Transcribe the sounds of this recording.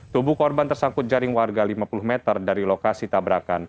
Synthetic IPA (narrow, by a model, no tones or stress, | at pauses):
t̪ubukɔrbant̪ərsakʊt̪̚d͡ʒaɾɪŋwarɡalimapulʊhmɛt̪ərdaɾilokasit̪abɾakan